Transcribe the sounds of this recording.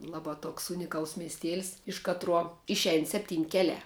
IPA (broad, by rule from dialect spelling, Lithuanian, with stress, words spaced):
ˈlˠɑːˌbɑː ˈtoːks ˈʊnʲɪkɐlˠs mʲiɛsʲˈtʲeːlˠs ɪʃ ˈkɑːtruɔ ˈɪʃʲɛɪn ˈsʲæːpʲtʲiːnʲ ˈkʲæːlʲæː